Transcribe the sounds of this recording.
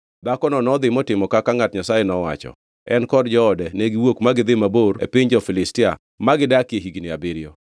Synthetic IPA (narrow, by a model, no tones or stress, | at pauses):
d̪akɔnɔnɔd̪ɪmɔtɪmɔkakaŋatɲasajɛnɔwa̰t͡ʃɔ̰ | ɛnkɔdd͡ʒɔːdɛneɡiwokmaɡɪd̪ɪmaboɾḛpɪɲd͡ʒɔfɪlɪstɪa̰ | maɡɪdakjeɦiɡinɪabɪɾɪjɔ